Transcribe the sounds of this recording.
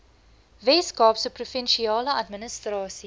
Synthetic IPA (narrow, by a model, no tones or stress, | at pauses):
vɛːskɑːpsəprufɛnʃiɑːləɐtmənəstrɑːsi